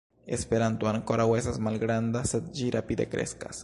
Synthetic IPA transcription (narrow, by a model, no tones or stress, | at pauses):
espeɾant̪uaŋkoɾawesazmalɡɾand̪aset̪̚d͡ʒiɾapid̪ḛkɾʔḛska̰s